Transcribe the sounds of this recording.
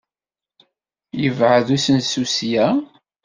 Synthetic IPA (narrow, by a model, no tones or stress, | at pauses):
jəvʕəðusənsusjæ